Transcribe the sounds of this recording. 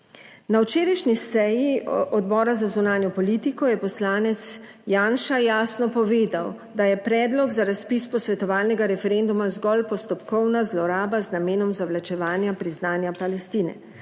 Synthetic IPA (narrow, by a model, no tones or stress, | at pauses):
nawt͡ʃeːɾajʃnisɛjiɔd̪bɔːɾazazunaːnjɔpɔliːt̪ikɔjɛpɔslaːnɛt̪s | jaːnʃajaːsnɔpɔʋeːd̪aw | d̪ajɛpɾɛːd̪lɔɡzaɾaspispɔsʋɛt̪ɔʋaːlnɛɡaɾɛfɛɾend̪umazɡɔlpɔst̪ɔpkɔwnazlɔɾaːbaznameːnɔmzawlat͡ʃɛʋaːnjapɾiznaːnjapalɛst̪iːnɛ̰